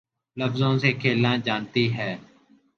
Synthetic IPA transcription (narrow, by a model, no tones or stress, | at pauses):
ləfzõːseːkʰeːlãːd͡ʒaːnt̪iːɦɛː